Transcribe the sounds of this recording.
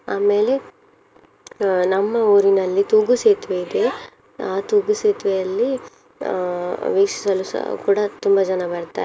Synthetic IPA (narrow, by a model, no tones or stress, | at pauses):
aːme̞ːle̞ | nɐmːɐoːɾinɐlːit̪uːɡuseːt̪ʋeid̪e̞ | aːt̪uːɡuseːt̪ʋejɐlːi | ʋiːkʂi̥sɐluskuːɽɐt̪umbɐd͡ʒɐnɐbɐɽt̪a̰